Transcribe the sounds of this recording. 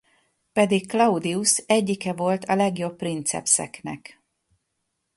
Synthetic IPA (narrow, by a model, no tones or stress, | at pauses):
pɛd̪ikklɒud̪iusɛɟːikɛvo̞lt̪ʰɒlɛɡjo̞pːrint̪sɛ̰psɛ̰knɛ̰k